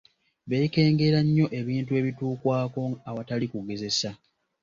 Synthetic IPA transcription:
βe̞ke̞ːŋɡe̞ɾaɲːo̞ʔe̞βiːntue̞ːβituːkwaːko̞aβatalikuɡe̞ze̞sa

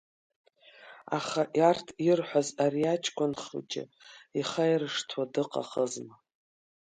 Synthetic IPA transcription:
a̰χaʔjartʰirħʷazaɾiat͡ʃʰkʷʰʼʊnχɨ̰t͡ʃʼɪ̰ | iχajrɨʂtʰwadɨqʼa̰χəzma

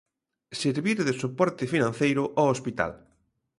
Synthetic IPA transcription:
seɾβiɾðɪsupɔɾt̪ɪfinãnθejɾʊʔɔospit̪a̰l

